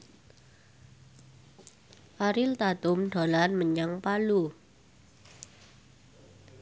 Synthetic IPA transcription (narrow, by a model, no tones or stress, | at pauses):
ʔaɾɪlt̪ad̪ʊmɖ̪̥o̤lanməɲaŋpalu